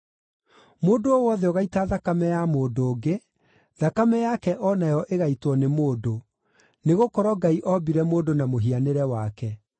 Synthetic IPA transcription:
moːdoowɔðɛɔɣaitaðakamɛjamoːdoːɡe | ðakamɛjakɛʔɔnajɔʔeɣaitwɔnemoːdo | neɣokɔɾɔɡaiʔɔbiɾɛmoːdonamoɦianeɾɛwakɛ

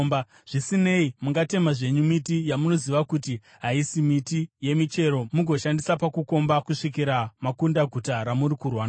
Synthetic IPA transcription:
mba | ʐ̥isine̞imuŋɡate̞maʐe̞ɲumitijamuno̞ziʋakuti | ɦaisimitije̞mit͡ʃe̞ɾo̞muɡʱo̞ʃandisapakuko̞mbakuʂik̬iɾamakundaɡʱutaɾamuɾikurwaːna

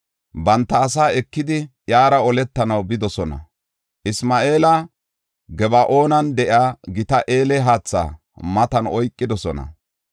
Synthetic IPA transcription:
bɐnt̪ːɐːs̬aːɛkːɪd̪ɪjaːɾɐɔlɛt̪ːɐnɐwbɪd̪ɔsɔnɐ̰ | ʔɪsmaːʔe̞ːlɐ | ɡɛbɐʔo̞ːnɐnd̪ɛʔjaːɡɪt̪ɐʔeːlɛɦaːt͡sːa̰ː | mɐt̪ɐnɔjkʼːɪd̪ɔsɔnɐ̰

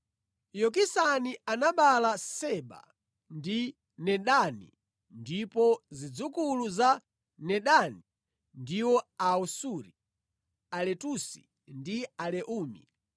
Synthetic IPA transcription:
jɔk̬isanianaɓalasɛɓa̰ | ndi | nɛɗanḭ | ndipɔzid͡zukuluza | nɛɗani | ndiwɔausuɾi | alɛtusi̥̰ | ndialɛʔuːmḭ

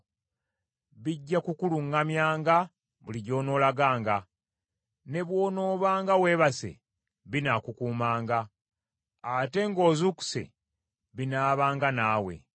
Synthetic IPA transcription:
βiɟːakukuluŋɡamjaːŋɡa | βuliɟo̞ːno̞ːlaɡaːŋɡa | ne̞βwo̞ːno̞ːβaːŋɡawe̞ːβase̞̰ | βinakukuːmaːŋɡa | ate̞ŋɡo̞ːzuku̥se̞̰ | βinaːβaːŋɡanaːwe̞̰

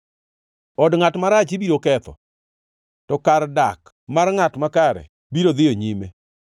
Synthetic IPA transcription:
ɔdŋatmaɾat͡ʃɪbiɾokɛt̪ɔ̰ | tɔkardak | marŋatmakaɾɛ̰ | biɾod̪ɪjoɲime

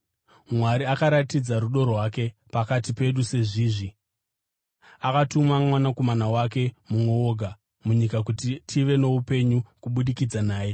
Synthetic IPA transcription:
mwaɾiakaɾatid͡zaɾuɗo̞rwake̞pakatipe̞ɗuse̞ʐiːʐi | akatumamwanako̞manawak̬e̞mumwe̞oɡʱa | muɲikak̬utitʰiʋe̞no̞upe̞ɲukuɓuɗikid͡zanaːje̞

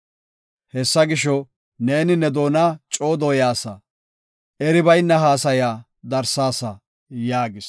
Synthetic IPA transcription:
hɛsːɐɡɪʃɔ | ne̞ːnɪnːɛd̪o̞ːnat͡ʃʼo̞ːd̪oːjaːsɐ | ɛɾɪbɐjnːɐɦaːsɐjaː | d̪ɐɾsaːsɐ | jaːɡɪs

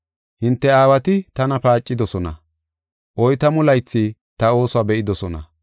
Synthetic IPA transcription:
hɪnt̪ːɛaːwɐt̪ɪt̪ɐnɐpaːt͡ʃʼːɪd̪ɔsɔnɐ̰ | ʔɔjt̪ɐmʊlɐjt͡sːi | t̪ɐo̞ːsʊaːbɛʔɪd̪ɔsɔnɐ̰

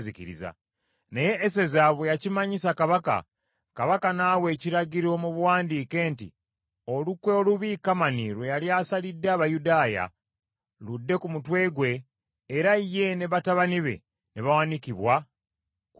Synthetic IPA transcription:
ziciɾḭza̰ | neje̞ʔːse̞zaβwejacimaɲisakaβaka̰ | kaβakanaːwe̞ːciɾaɟiɾo̞muβwaːndiːke̞ːntḭ | olukweoluβikamaniɾwejaljaːsalidːaːβajudaːja̰ | ludːe̞kumutwe̞ːɡwe̞ː | ɾaije̞ne̞βataβaniβe̞̰ | neβawanikiβwa

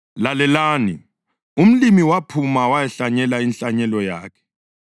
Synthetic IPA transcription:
lalɛlaːni | um̩limiwapʰumawajɛɬaɲɛlainɬaɲɛlɔjaːkʰɛ̥

